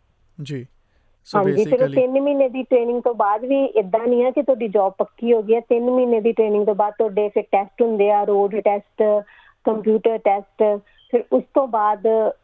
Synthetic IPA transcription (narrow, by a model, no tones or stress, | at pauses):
d͡ʒ | ɦãːɲd͡ʒiːpʰeɾoːt̪ɪnmiːneːd̪iːʈɾeːnɪ̃ŋɡ̚t̪õːbaːd̪ʋiːʔɪd̪ːãːnĩːãːkɪt̪ʊaːɖiːd͡ʒɔːb̚pəkːiːɦoːɡiːɛːt̪ɪnmiːneːd̪iːʈɾeːnɪ̃ŋɡt̪õːbaːd̪̚t̪ʊaːɖeːpʰɪɾʈɛːsʈɦʊnd̪eːaːɾoːɖʈɛːsʈ | kəmpjuːʈəɾʈɛːsʈ | pʰɪɾʊst̪õːbaːd̪